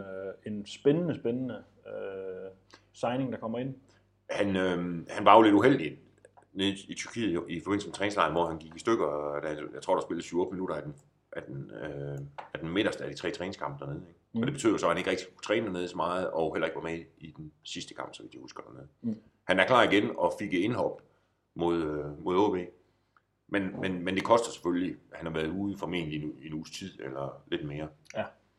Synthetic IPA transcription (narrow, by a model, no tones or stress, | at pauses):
ensb̥enənəsb̥enənə | sɑ̈ɪne̝ŋd̥ɑkʰɒ̽m̰ɐe̝n̰ | hænøhænʋɑ̈ole̝d̥uɦel̰d̥i | neðˠiit͡sʰyɐkʰḭːifɒbe̝n̰̩səme̥t͡sʰʁɛːnŋslɑ̈ɪn̩ʋɒ̰hænɡ̥iɡ̥isd̥øɡ̥ɐd̥æhæjaɪt͡sʰʁo̰ːɾ̥ɑsb̥e̝ləð̩syːʊɔd̥əminuɾ̥ɐæɐd̥en | ʔæɐd̥en | æɐd̥enme̝dɐsd̥əædit͡sʰʁɛ̰ːt͡sʰʁɛːneŋskʰɑ̈m̰b̥əd̥æɐne̝ð̩ˠeɡ̥ɒd̥e̝b̥e̥y̰ð̰ˠsɒ̽hæne̝ɡ̥ʁɛɡ̥̚di̥u̥t͡sʰʁɛːndæne̝ð̞ˠsɒ̽mɑ̈ːð̞̩ˠɒ̽helɐe̝ɡ̥ʋɑ̈meid̥ensisd̥əkʰɑ̈m̰b̥sɒ̽ʋid̥jihusɡ̥ɐd̥æne̝ð̩ˠ | hænæɐkʰlɑ̰̈ːiɡ̥enɒfiɡ̥əe̝nɦɒ̽b̥ | mo̝ð̞ˠømo̝ðˠob̥e̝̰ː | menmenmend̥e̝kʰɒ̽sd̥ɐse̥føllihænhɑ̈ʋæːɐð̩ˠuːð̩ˠfɒme̝̰ːnliuinṵːst͡sʰið̰ˠelɐle̝d̥me̝ːɐ